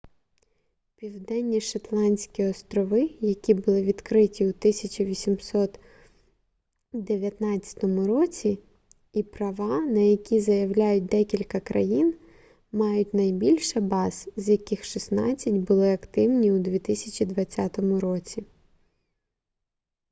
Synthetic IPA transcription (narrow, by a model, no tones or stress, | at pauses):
pʲiwd̪ɛnʲːiʃɐt̪lˠɑnʲsʲkʲiɔst̪ɾɔʋɪjɐkʲibʊlˠɪʋʲid̪kɾɪtʲiut̪ɪsʲɐt͡ʃʲiʋʲisʲimsɔt̪ | d̪eʋʲjɐt̪nɑt͡sʲːɐ̥t̪ɔmʊɾɔt͡sʲi | ipɾɐʋɑnɐjɐkʲizɐjɐwlʲajʊt̚ʲd̪ɛkʲilʲkɐkɾɐjin | mɑjʊtʲnɐjbʲilʲʃɐbɑzzʲjɐkʲɪxʃisnɑt͡sʲːɐtʲbʊlˠɪɐkt̪ɪwnʲiʊd̪ʋʲit̪ɪsʲɐt͡ʃʲid̪ʋɐt͡sʲːɑt̪ɔmʊɾɔt͡sʲi